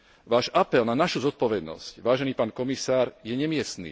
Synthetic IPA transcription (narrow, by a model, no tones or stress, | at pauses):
ʋaːʒapɛlnanaʃuzɔt̪̚pɔʋɛd̪nɔ̰scʋaːʒɛniːpaːnkɔmisaːɾjɛɲɛmɪɛst̪nḭː